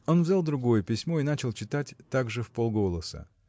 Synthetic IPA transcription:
o̞nvzʲalˠd̪ɾʊɡo̞jəpʲɪsʲmo̞in̪at͡ɕɪlˠt͡ɕɪt̪atʲt̪aɡʐɨfpo̞lˠɡo̞lˠəsə̰

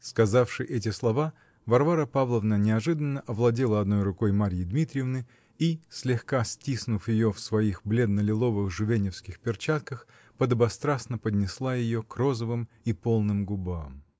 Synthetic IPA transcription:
skɐzafʂɨʔɛt̬ʲɪslˠɐva | vɐrvaɾəpavlˠəvnənʲɪɐʐɨd̪ənːəʔɐvlˠɐdʲelˠəɐd̪no̞jrʊko̞jmaɾʲjɪd̪mʲit̪ɾʲɪjɪvnɨ | isʲlʲɪxkasʲtʲisnʊfjɪjofsvɐixblʲe̞d̪nəlʲɪlˠo̞vɨxʐʊvʲenʲɪfskʲɪxpʲɪrt͡ɕat̪̚kəx | pəd̪əbɐst̪ɾasnəpəd̪ʲnʲɪslˠajɪjokro̞zəvɨm | ipo̞lˠnɨmɡʊbam

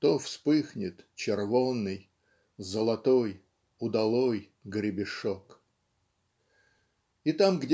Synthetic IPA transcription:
t̪ofspɨxnʲɪt̪t͡ɕɪrvonːɨj | zəlˠɐt̪oj | ʊd̪ɐlˠoj | ɡɾʲɪbʲɪʂok | it̪amɡdʲ

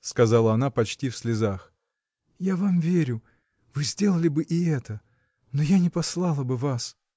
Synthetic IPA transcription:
skɐzalˠəɐnapɐt͡ɕtʲifsʲlʲɪzax | javamvʲeɾʲʊ | vɨzʲdʲe̞lˠəlʲɪbɨʔɪɛt̪ə | nojanʲɪpɐslˠɑlˠəbɨvas

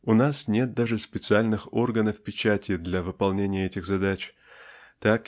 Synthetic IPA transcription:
ʊnasnʲe̞t̪̚d̪aʐɨspʲɪt̪sɨalʲnɨxo̞rɡənəfpʲɪt͡ɕætʲɪd̪lʲɐvɨpɐlˠnʲenʲɪjəɛtʲɪɣzɐd̪at͡ɕ | t̪ak

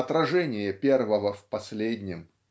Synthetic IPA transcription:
ɐt̪ɾɐʐɛnʲɪjəpʲe̞rvəvəfpɐsʲlʲed̪ʲnʲɪm

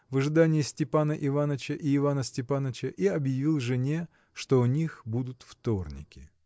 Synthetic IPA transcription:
vɨʐɨd̪anʲɪjɪsʲtʲɪpanəʔɪvanət͡ɕəʔiːvanəsʲtʲɪpanət͡ɕəʔiɐbjɪvʲilˠʐɨnʲe̞ | ʂt̪o̞nʲixbud̪ʊt̪ft̪o̞rnʲɪ̰kʲɪ

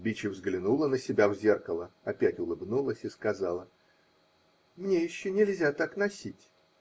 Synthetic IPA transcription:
bʲit͡ɕɪvzɡlʲɪnulˠənəsʲɪbʲavzʲerkəlˠəɐpʲætʲʊlˠɨbnulˠəsʲiskɐzɑlˠə | mnʲejɪɕːɵnʲɪlʲzʲat̪aknɐsʲitʲ

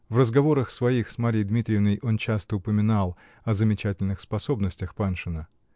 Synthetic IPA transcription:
vrəzɡɐvo̞ɾəxsvɐixsmaɾʲɪjd̪mʲit̪ɾʲɪjɪvnəjʔo̞nt͡ɕast̪əʊpəmʲɪnalˠ | ɐzəmʲɪt͡ɕætʲɪlʲnɨxspɐso̞bnəsʲtʲɪxpanʂɨnə

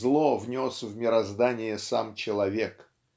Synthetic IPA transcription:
lˠovnʲosvmʲɪɾɐzd̪anʲɪjəsamt͡ɕɪlˠɐvʲek

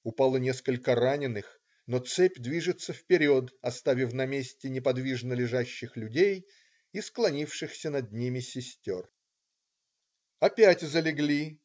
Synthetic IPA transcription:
ʊpalˠənʲeskəlʲkəranʲɪnːɨx | not̪sɛpʲd̪vʲiʐɨt̪sːəfpʲɪɾʲo̞t̪ɐst̪avʲɪfnɐmʲesʲtʲɪnʲɪpɐd̪vʲiʐnəlʲɪʐaɕːɪxlʲʉdʲej | isklˠɐnʲifʂɨxsʲənɐd̪̚nʲimʲɪsʲɪsʲtʲor | ɐpʲætʲzəlʲɪɡlʲi

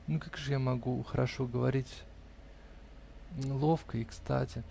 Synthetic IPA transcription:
nukakʐɨjamɐɡuxəɾʔɐʂo̞ɡəvɐɾʲitʲ | lˠo̞fkəɪkst̪a̰tʲɪ

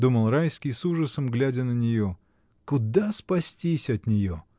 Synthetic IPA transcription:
d̪uməlˠɾajskʲɪjsuʐəsəmɡlʲædʲənənʲɪjo | kʊd̪aspɐsʲtʲisʲɐt̪nʲɪjo

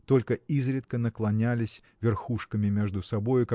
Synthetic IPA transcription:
t̪o̞lʲkəizɾʲɪt̪kənəklˠɐnʲælʲɪsʲ | vʲɪrxuʂkəmʲɪmʲeʐd̪ʊsɐbo̞jʊka

